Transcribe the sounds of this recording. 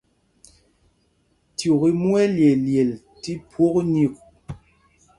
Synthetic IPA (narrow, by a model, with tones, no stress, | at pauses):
tjo˨ki˦mwɛ˦lje˨lje˨l | ti˦pwo˦kni˦˨k̚